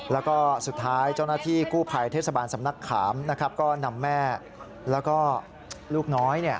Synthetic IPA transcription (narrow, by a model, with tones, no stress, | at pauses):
lɛː˦˥wkɔː˥˩su˨˩t̪ʰːaː˦˥jt͡ɕa˥˩wnaː˥˩t̪ʰiː˥˩kuː˥˩pʰa˧jt̪ʰeː˥˩t̪̚sa˧baː˧nsa˩˦mna˦˥kʰːaː˩˦mna˦˥kʰɾa˦˥p̚kɔː˥˩na˧mːɛː˥˩ | lɛː˦˥wkɔː˥˩ | luː˥˩k̚nɔː˦˥jni˦˥˩ɐ